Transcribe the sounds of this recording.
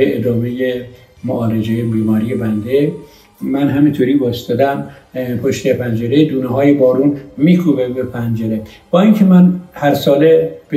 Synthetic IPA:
eed̪ɒːmeje | moʔɒːɾed͡ʒejebiːmɒːɾijebænd̪e | mænɦæmint̪ʰoɾiːbɒst̪ɒd̪æm | pʰoʃt̪epʰænd͡ʒeɾed̪uːneɦɒːjebɒːɾuːnmiːkʰubebepʰænd͡ʒeɾeb̥ɒːiŋkʰemænhæɾsɒːleb̥e

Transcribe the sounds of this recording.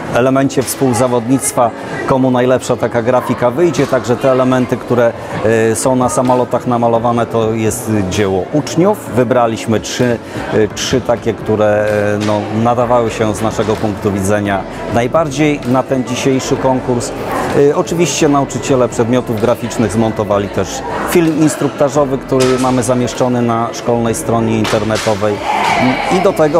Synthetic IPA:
ɛlɛmɛɲt͡ɕɛfspuwzavɔd̪ɲit̪st̪fa | kɔmunajlɛpʂat̪akaɡɾafʲikavɘjd͡ʑɛt̪aɡʐɛt̪ɛːlɛmɛnt̪ɘkt̪uɾɛ | sɔ̃w̃nasamɔlɔt̪axnamalɔvanɛt̪ɔjɛst̪d͡ʑɛwɔʔut͡ʂɲufːɘbɾalʲiɕmɘt͡ʂʂɘ | t͡ʂʂɘt̪akʲɛkt̪uɾɛnɔnad̪avawɘɕɛznaʂɛɡɔpuŋkt̪uvʲid̪zɛɲa | najbaɾd͡ʑejnat̪ɛnd͡ʑiɕejʂɘkɔŋkuɾs | ɔt͡ʂɘvʲiɕt͡ɕɛnaut͡ʂɘt͡ɕɛlɛpʂɛd̪mʲjɔt̪uvɡɾafʲit͡ʂnɘɣzmɔnt̪ɔvalʲit̪ɛʂ | fʲilminst̪ɾukt̪aʐɔvɘkt̪uɾɘmamɘzamʲjɛʂt͡ʂɔnɘnaʂkɔlnɛjst̪ɾɔɲɛint̪ɛɾnɛt̪ɔvɛj | id̪ɔt̪ɛɡɔ

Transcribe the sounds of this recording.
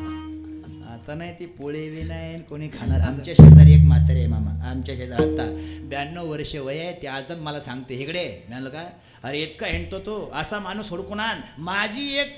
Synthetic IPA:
a̰t̪anaɦit̪ipoɭeʋenajenkoɽ̃iːkʰaɽ̃aɾa̰mt͡ɕjaɕed͡zəɾekmat̪ɾemamaamt͡ɕjaɕed͡zəɾɦat̪abjanːəʋʋəɾʂəʋəjajt̪ead͡zləməlasãŋɡt̪eɦekɽemaɳ̃loka | aɾeet̪kaɦeɳt̪ot̪oəsamanuːsɦoɽkuɽ̃anmad͡ʑʱiːek̚

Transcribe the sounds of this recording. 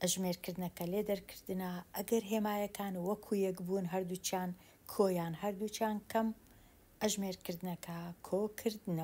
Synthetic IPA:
ʔɐʒmeːɾkʰɨɾd̪ɨnɐkɐleːd̪ɐɾkʰɨ̥ɾd̪ɨnɐʔɐɡɐɾɦeːmaːjɐkʰaːnwɐkʰuːjɛkbunɦɐɾd̪ut͡ʃjaːn | kʰoːjaːnhɐɾd̪ut͡ʃjaːnkʰɐm | ʔɐʒmeːɾkɨɾd̪ɨnɐkʰɐkʰoːkʰɨɾd̪ɨnɐ

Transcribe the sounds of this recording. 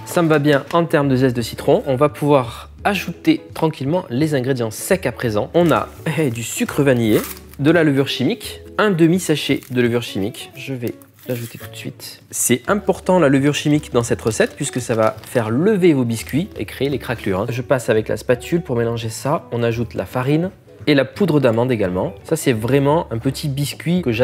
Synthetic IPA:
saməvabjɛ̃ɑ̃t̪ɛʁmd̪əzɛsd̪əsi̥t̪χɔ̃ʔɔ̃vapʰuvwaʁ | aʒut̪et̪χɑ̃kʲilmɑ̃lezɛ̃ɡʁed̪jɑ̃sɛkapχezɑ̃ɔ̃na̰ | d̪ysykχəvanje | d̪əlaləvyʁʃimikɛ̃d̪əmisaʃed̪ələvyʁʃimikʒəvɛ | laʒut̪e̥t̪u̥t̪sɥḭt̪sɛɛ̃pɔʁt̪ɑ̃laləvyʁʃimikd̪ɑ̃sɛt̪ʁəsɛt̪pɥiskəsavafɛʁləvevobiskʲɥiḛkχeːlekχaklyʁɛ̃ʒəpasavɛklʔa̰spat̪ʲʰylpuʁmelɑ̃ʒesaɔ̃naʒut̪lʔa̰faʁin | elapud̪ʁəd̪amɑ̃d̪eɡalmɑ̃sasɛvʁɛmɑ̃ʔɛ̃pət̪ʰibiskʲɥikəʒa

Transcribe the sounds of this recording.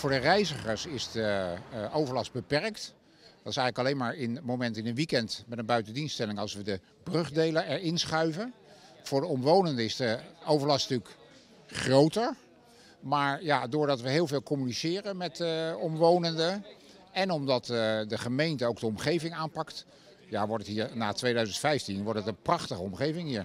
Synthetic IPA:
vʊːɹdərɛjzəχəɹsɪzdəʔowvəɹlɑs̚bəpɛɹkt | dɑtɪsɛjχələkɑlejnmaːɹɪnmowmɛntɪnənʋikɛntmɛtənbœɥtəndinstɛlɪŋɑlˠsʋədə | b̥rɵχdejləɛɹɪnsχœɥvən | v̥ʊːɹdəɔmʋownəndəɪsdəowvəɹlɑstntʉlk | χrowtəɹ | maːɹjadʊːɹdɑtʋəɦɪːlˠveɪːlˠkɔmynisɪːrənmɛtəɔmʋownəndə | ɛnɔmdɑtdəχəmejntəowk̚dəɔmχejvɪŋaːnpɑkt | ja̰ʋɔɹtətɦiːɹnaːtʋejdœɥzəntfɛjftinʋɔɹtətənprɑχtəχəɔmχejvɪŋɦiːɹ

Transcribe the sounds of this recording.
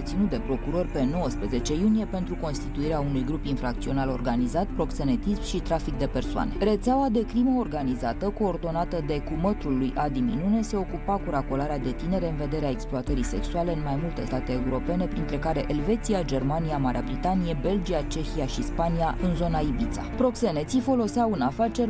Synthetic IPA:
et̪sinut̪d̪e̞pɾo̞kuɾo̞rʲpe̞no̞wəspɾe̞ze̞t͡ʃe̞junije̞pe̞nt̪ɾuko̞nst̪it̪uiɾeaunujɡɾupinfɾak̚t̪sio̞nalo̞̰rɡanizat̪̚pɾo̞kse̞ne̞t̪ismʃit̪ɾafik̚d̪e̞pe̞rsoa̰ne̞ɾe̞t̪seawad̪e̞kɾiməorɡanizat̪əko̞ːrd̪o̞nat̪əd̪e̞kumət̪ɾulujʔad̪iminune̞se̞o̞kupakuɾakolaɾead̪e̞t̪ine̞ɾe̞ɨnve̞d̪e̞ɾeae̞ksploat̪əɾise̞̰ksuale̞ɨnmajmult̪e̞st̪at̪e̞ːuɾo̞pe̞ne̞pɾint̪ɾe̞kaɾe̞ʔelve̞t̪siad͡ʒe̞rmaniamaɾeabɾit̪anije̞be̞ld͡ʒiat͡ʃe̞çiaʃispaniaʔɨnzo̞naibit̪sa̰pɾo̞kse̞ne̞t̪sifo̞lo̞seawunafat͡ʃe̞r

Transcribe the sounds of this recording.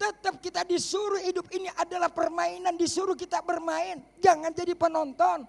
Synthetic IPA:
t̪ət̪əp̚kit̪adisuɾʊhhidʊp̚iniʔadalahpərmaɪnandisuɾuhkit̪abərmaɪnd͡ʒaŋand͡ʒadipənɔnt̪ɔn

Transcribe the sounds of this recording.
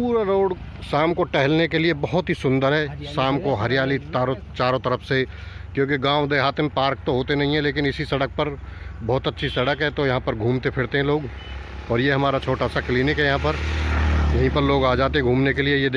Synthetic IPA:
ppuːɾaɾoːɽ | saːmkoʈɛɦɛlnekeliebɐɦʊt̪ɦisʊ̃nd̪əɾɦɛːsaːmkoɦɐɾɪjaːlit̪aːɾot͡ʃaːɾõt̪ɐɾəfʰsekjõːkiɡãːʋd̪eːɦaːt̪emẽpaːɾk̚t̪oɦoːt̪enɐɦĩɦɛ̃leːkɪnɪsisɐɽək̚pɐɾbɔːt̪ɐtːʃʰisɐɽəkɦɛt̪ojɐɦãpɐɾɡʱũːmt̪epʰɪɽt̪eɦɛ̃loːɡ | ɔːɾjeɦɐmaːɾat͡ʃʰoːʈaːsakliːnɪkɦɛjɐɦãpɐɾ | jɐɦĩpɐɾloːɡaːd͡ʒaːt̪eɡʱuːmnekeliejed̪

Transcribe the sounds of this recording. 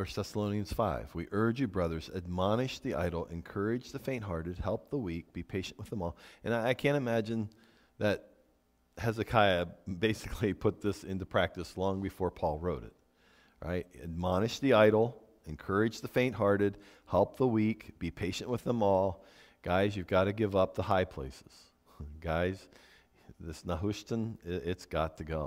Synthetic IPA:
ə̥˞θɛsəlõʊ̃niɨ̃nz̥faɪvwiʔɜ˞d͡ʒɨbɹʌðə˞zɨd̚mɑnɨʃðiʔa̰ɪɾl̩ˠɨ̰̃nkʰɜ˞ɨd͡ʒðɨfẽɪ̃nʔ̚ɦɑɹɾɨd̚hɛlˠp̚ðəwik̚b̥ipʰeɪʃɨ̃n̩ʔwəðə̃mɔlˠɨ̃naɪaɪkʰæ̃ñtɨmæd͡ʒɨ̃n | ðɨt̚ | hɛzɨkʰaɪɨbeɪsɨkʰlipʰʊt̪̚ðɪsɪ̃ntʉpʰɹ̥æk̚tɨslɔ̃ŋbɨfɔɹpʰɔlˠɹoʊɾɨ̰t̚ | ɹʔa̰ɪt̚ɨ̰d̚mɑñɨʃðiaɪɾl̩ˠ | ɨ̃nkʰɜ˞ɨd͡ʒðəfẽɪ̃nʔɦɑɹɾɨd̚hɛlˠp̚ðəwikb̥ipʰeɪʃɨ̃nʔwəðə̃mɔlˠ | ɡ̥aɪzjʉvɡɑɾɨɡɪvʌp̚ðəhaɪpʰl̥ḛɪsɨz̥ | ɡ̥aɪz̥ | ðɪsnəɦʊʃtə̃nɪtsɡ̥ɑtʰɨɡoʊ

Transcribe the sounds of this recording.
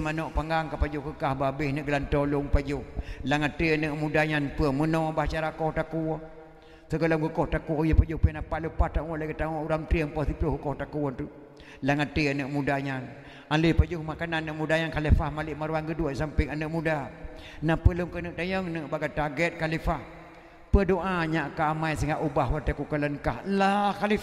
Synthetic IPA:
manɔʔpaŋɡaŋkapad͡ʒʊkəkahbabɪhnəʔɡəlant̪ɔluŋpad͡ʒʊhlaŋat̪ianəʔmudaɲanpəəmənɔbat͡ʃaɾakɔhtaku | səkələŋkəkɔhtakujəpad͡ʒuhpənapaʔlupaht̪aŋɔʔlaɡit̪aŋɔʔuɾamt̪ɾiəŋpət̪ipəkəkɔhtakunt̪u | laŋatianəʔmudaɲan | alipəd͡ʒuhmakananəʔmudaɲankaləfahmaliʔmaɾuwanɡəduəʔsampiŋanəʔmuda | napələŋkənəʔt̪ajəŋnəʔbaɡat̪aɡɛt̪̚kalifah | pədoʔaɲaʔkaːmaisəŋaʔubaɦwat̪əkukələnkahlakali

